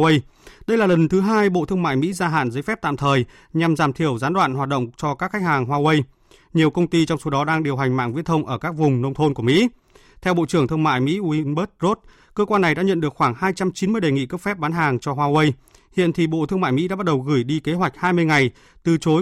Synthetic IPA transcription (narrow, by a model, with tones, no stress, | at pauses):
wə˧jɗə˧jlaː˨˩lə˨˩nt̪ʰɨ˨˦ɦaː˧jɓo̰˧˨t̪ʰɨ˧əŋma̰ː˧˨jmḭ˧˥zaː˧ɦa̰ː˧˨nzəː˨˦jfɛ˦˥p̚t̪a̰˧˨mt̪ʰəː˨˩j | ɲa˨˩mzaː˨˩mt̪ʰi˧˩əwzaː˨˦nɗwa̰ː˧˨nhwaː˨˩t̚ɗə̰˧˨ŋ͡mt͡ɕɔ˧kaː˦˥kxa˦˥jk̚haː˨˩ŋɦwaː˧wə˧j | ɲi˨˩əwkə˧wŋ͡mt̪i˧t͡ɕɔ˧wŋ͡mso˨˦ɗɔ˨˦ɗaː˧ŋɗi˨˩əwɦa˨˩jŋ̟ma̰ː˧˨ŋvḭ˧˥t̪ʰə˧wŋ͡mʔəː˧˩kaː˦˥k̚vʊ˨˩ŋ͡mnə˧wŋ͡mt̪ʰo˧nku˧˩mḭ˧˥ | t̪ʰɛ˧wɓo̰˧˨t͡ɕɨ˧˩əŋt̪ʰɨ˧əma̰ː˧˨jmḭ˧˥wi˧ɓə˦˥t̚zo˦˥t̚ | kəː˧kwaː˧nːa˨˩jɗa̰ː˧˥ɲə̰˧˨nɗɨ˨˩əkxwaː˧˩ŋhaː˧jt͡ɕa˧mt͡ɕi˨˦nmɨ˧əjɗe˨˩ŋḭ˧˨kə˦˥p̚fɛ˦˥p̚ɓaː˨˦nɦaː˨˩ŋt͡ɕɔ˧ɦwaː˧wə˧j | hḭ˧˨ənt̪ʰi˨˩ɓo̰˧˨t̪ʰɨ˧ŋma̰ː˧˨mḭ˧˥ɗaː˧˥˦ɓ̚ɗə˨˩wɣɨ˧˩jɗi˧ke˨˦ɦwa˨˩jk̟̚haː˧jmɨ˧əjŋa˨˩j | t̪ɨ˨˩t͡ɕo˨˦